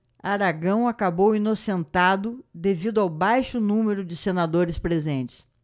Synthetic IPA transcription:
aɾaɡɐ̃w̃akabowinosẽnt̪ad̪ʊd̪evid̪ʊawbajʃʊnũmeɾʊd͡ʒɪsenad̪oɾɪspɾezẽnt͡ʃɪ̥s

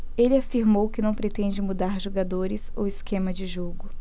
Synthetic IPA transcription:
elɪafiɾmowkɪnɐ̃w̃pɾet̪ẽd͡ʒɪmud̪aɾʒoɡad̪oɾɪso̰wɪskʰẽmɐd͡ʒɪʒoɡʊ

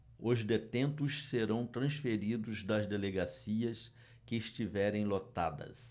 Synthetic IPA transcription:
ʊzd̪et̪ẽnt̪ʊsseɾɐ̃w̃t̪ɾɐ̃sfeɾid̪ʊzd̪ɐzd̪eleɡasiɐs | kɪːst͡ʃivɛɾẽj̃lot̪a̰d̪ɐ̰s

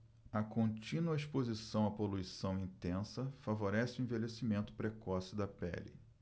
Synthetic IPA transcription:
ɐkõnt͡ʃĩnuɐeʃpozisɐ̃w̃ɐpoluisɐ̃w̃ĩnt̪ẽsɐfavoɾɛsɪʊẽvelesimẽnt̪ʊ̥pɾekɔsɪd̪ɐpɛ̰lɪ̰

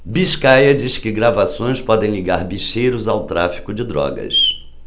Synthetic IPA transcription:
biʃkajɐd͡ʒiskɪɡɾavasõj̃spɔd̪ẽj̃liɡaɾbiʃejɾʊzawt̪ɾa̰fi̥kʊd͡ʒɪd̪ɾɔ̰ɡɐ̰s

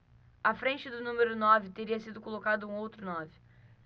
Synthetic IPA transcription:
ɐfɾẽnt͡ʃɪd̪ʊnũmeɾʊnɔvɪt̪eɾiɐsid̪ʊkolokad̪ʊũowt̪ɾʊnɔvɪ

